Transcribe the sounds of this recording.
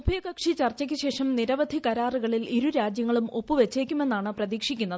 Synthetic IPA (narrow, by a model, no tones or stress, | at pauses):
bʱijɐɣɐkʂit͡ɕɐrt͡ɕːɐk̬ʲːɨɕe̞ːʂɐmniɾɐʋɐd̪ʱikɐɾaːruɣɐɭiliɾuɾaːd͡ʑjɐŋːɐɭumo̞pːuʋe̞t͡ɕːeːkʲːume̞nːaːɳɨprɐðiːkʂikʲːunːɐðɨ